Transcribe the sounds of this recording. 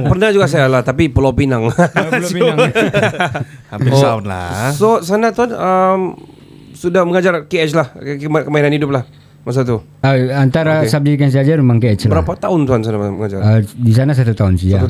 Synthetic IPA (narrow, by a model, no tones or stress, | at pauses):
pərnahd͡ʒuɡas̬ajalaht̪apipəlopinaŋ | osat̪la̰sosanat̪uanəm | sudahməŋad͡ʒarkeɛt͡ʃlahkmakəmainanhidʊp̬̚lah | mas̬at̪̬u | əant̪aɾasap̚d͡ʒiik̬ans̬iad͡ʒarmemaŋkeɛt͡ʃlbəɾapat̪aʊnt̪uɦansanaməŋad͡ʒa̰rədis̬anas̬at̪ut̪aʊnsia